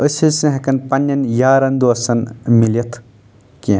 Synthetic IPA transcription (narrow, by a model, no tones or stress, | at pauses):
əsʲisɨ̃ɦɐkɐnpɐnːɐnjaːɾɐnd̪oɐsɐnmilʲɐt̪ʰ | ki